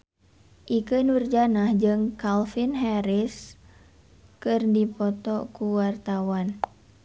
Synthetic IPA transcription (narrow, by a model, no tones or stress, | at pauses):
ʔikənurd͡ʒanahd͡ʒɨŋkalfinɦɛɾis | kɨrdipɔt̪ɔkuwart̪awan